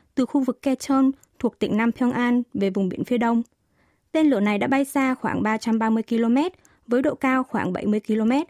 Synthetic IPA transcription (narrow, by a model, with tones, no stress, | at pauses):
t̪ɨ˨˩xu˧vɨ˨˩kːɛ˧t͡ɕəː˧n | t̪ʰu˨˩ək̚t̪ï˧˩ŋ̟na˧mt̪ʰɔ˧ŋʔaː˧nve˨˩vʊ˨˩ŋ͡mɓi˧˩ənfi˧əɗə˧wŋ͡m | t̪e˧nlɨ˧˩əna˨˩jɗa̰ː˧˥ɓa˧jsaː˧xwaː˧˩ŋɓaː˧t͡ɕa˧mɓaː˧mɨ˧əjki˧lo˧mɛ˦˥t̚ | vəː˨˦jɗo̰˧˨kaː˧wxwaː˧˩ŋɓa˧˩jmɨ˧əjki˧lo˧mɛ˦˥t̚